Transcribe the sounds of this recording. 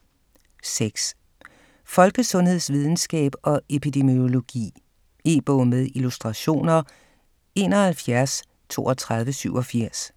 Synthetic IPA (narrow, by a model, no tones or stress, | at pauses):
seɡ̥s | fɒ̽lɡ̥əsɔ̽nhe̝ð̞̰ˠsʋið̞ˠn̩sɡ̥ɛ̰ːb̥ɒ̽e̝pʰid̥e̝mo̝lo̝ɡ̥ḭː | e̝ːb̥ɔːmeð̞ˠilusd̥ʁɑ̈ɕo̝̰ːnɐ | e̝ːnɒ̽hælfjæɐs | t͡sʰo̝̰ːɒt͡sʰʁɑ̈ð̞ˠʋəsyʊ̰ɒ̽fiɐ̰s